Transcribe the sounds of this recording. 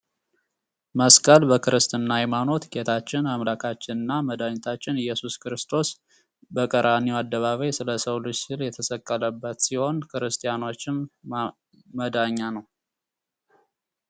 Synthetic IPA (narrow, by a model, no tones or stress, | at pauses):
məskʼəlbəkʰɨɾɨst̪ɨnːahajmano̞t̪ɡe̞t̪ʰat͡ʃːɪnamlakʰat͡ʃːɪnɨnːaməd̪aɲɛt̪ʰat͡ʃːɪnɨjːɛsuskɨɾɨst̪ʰo̞s | bəkʼəɾʔaniwad̪ːəβaβəjsɨləsəwlɨsɪljɛt̪ʰəsəkʼːələbːət̪siho̞nkʰɨɾɨst̪ʰʼijano̞t͡ʃːɪm | məd̪aɲːanəw